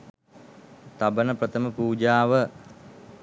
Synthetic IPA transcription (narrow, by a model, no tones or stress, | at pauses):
t̪abənəprət̪ʰəməpuːd͡ʒaːʋə